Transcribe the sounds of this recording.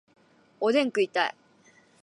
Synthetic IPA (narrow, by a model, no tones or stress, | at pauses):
od̪ẽŋkɯ̟it̪aḭ